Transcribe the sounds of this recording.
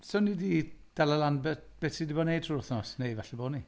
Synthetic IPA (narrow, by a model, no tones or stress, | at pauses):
sɔnidid̥ɛlˠəlˠanbɛb̥ɛtidɪbɔnejd̥ʰruʊθnɔsnejvɛɬiboːni